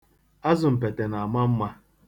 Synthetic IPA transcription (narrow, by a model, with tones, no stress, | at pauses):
a˦zʊ˨m̩˨pe˨te˨na˨a˨ma˦m̩˦ma˦